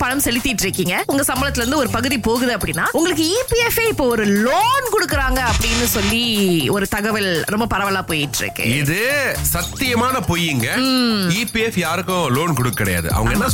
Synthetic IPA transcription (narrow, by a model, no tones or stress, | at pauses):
pɐɻɐmsɛlɪt̪ːɪʈːɪɾɯkːiːŋɡɐʊŋɡɐsɐmbɐlɐt̪ːɪlɐɾɯnd̪ɯɔɾɯpɐɣɯðipoːɣɯðɯɐpːɐɽɪnːaːʊŋɡɐɭɯkːɯiːpiɛfeːɪpːoːɔɾɯloːnkɔɽɯkːɯɾaːŋɡɐɐpːɐɽɪnːɯsɔlːiɔɾɯt̪ɐɣɐʋɐlɾɔmbɐpɐɾɐʋɐlaːpoːjɪʈːɾɯ̰kːɯ̰ɪðɯsɐt̪ːɪjɐmaːnɐpoːjːɪŋɡɐiːpiɛfjaːɾɯkːʊ̃loːnkɔɽɯkːɪɽɐ̰ja̰ːðɯ̰ʔɐ̰ʋɐ̰ŋɡɐɛnːɐ